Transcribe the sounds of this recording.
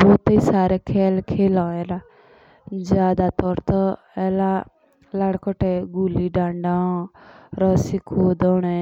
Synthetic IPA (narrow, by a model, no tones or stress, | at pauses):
boːt̪əisaːɾekʰɛːlkʰeːlɔːeɾa | d͡ʒaːd̪at̪ɔɾt̪ɔ | ɛla | laɽkɔʈɛɡuliɖãːɳɖã | ɾɔsikʰuːd̪ɔɽ̃ɛ